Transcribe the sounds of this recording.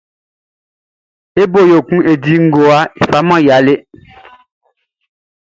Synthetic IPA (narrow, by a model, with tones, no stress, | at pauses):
e˦bo˦˨jo˨ku˦e˨di˦ŋ̩˦ɡo˨a˦i˨fa˨˦mɔ̃˦ja˨˦le˦